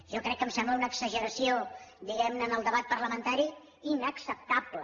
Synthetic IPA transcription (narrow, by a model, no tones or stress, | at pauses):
ʒɔkɾɛkːəmsɛmbləunəkzəʒəɾəsiod̪iɣɛmnəːnəlˠd̪əβat̪̚pəɾləmənt̪aɾi | inəksəp̚t̪aplə